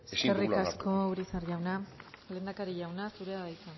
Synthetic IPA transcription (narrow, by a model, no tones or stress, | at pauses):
eskerikasko̞uɾisaɾʝawnale̞ːnd̪akaɾiʝawnasuɾeaβajt̪a